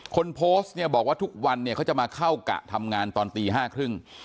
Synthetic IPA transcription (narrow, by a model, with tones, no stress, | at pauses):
kʰo˧npʰoː˦˥st̪̚ni˥˩ɐbɔː˨˩k̚waː˥˩t̪ʰu˦˥k̚wa˧nːi˥˩kʰa˦˥wt͡ɕa˨˩ʔmaː˧kʰa˥˩wka̰˨˩ʔt̪ʰa˧mŋaː˧nt̪ɔː˧nt̪iː˧ɦaː˥˩kʰɾɯ˥˩ŋ